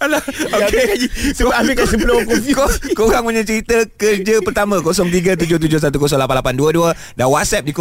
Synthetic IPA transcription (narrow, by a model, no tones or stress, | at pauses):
laokekamikasəulokɔfkokoɣaŋməɲə̃t͡ʃəɾit̪əkərd͡ʒapərt̪amãkosɔŋt̪̬iɡat̪̬ud͡ʒʊht̪ud͡ʒʊhs̬at̪ukos̬ɔŋlapanlapanduəduə | danwat̪̚sɛp̚dik